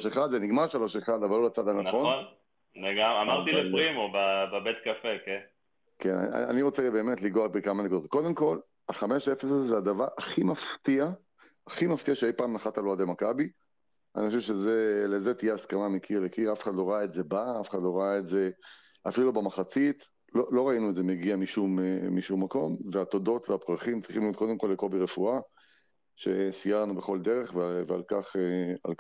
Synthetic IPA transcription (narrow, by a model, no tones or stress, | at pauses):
oʃeχad̪zeniɡmaʁʃaloʃeχad̪avalolat͡sad̪ananχonn | leɡamamaʁt̪ileʁimobababet̪kafeken | kena̰a̰a̰niʁot͡sebe̞ːmet̪liɡoabekamanikud̪ot̪̚ko̞d̪emko̞l | aχame̞ʃefesazezead̪avaʁaχimaft̪ia | aχimaft̪iaʃeejpaːmnaχat̪aload̪emakabi | a̰nixoʃevʃezelezet̪ijeaskamamekʰiʁlekʰiʁafeχad̪lo̞ʁaaetze̞baafeχad̪lo̞ʁaaetze̞ | afilubamaχat͡sit̪ | lolo̞ʁainuetze̞meɡiamiʃumemiʃumːako̞mveat̪od̪o̞t̪veapʁaχimt͡sʁiχimlijo̞t̪̚ko̞d̪emko̞lːeko̞biʁefua | ʃe̞̰sijaʁnubeχo̞ld̪eʁe̞χvevea̰lkaχeal